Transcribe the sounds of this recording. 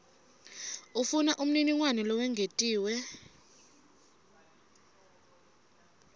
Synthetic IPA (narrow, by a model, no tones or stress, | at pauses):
ufunaʔum̩niniŋwanilɔwɛŋʱetʼiːwɛ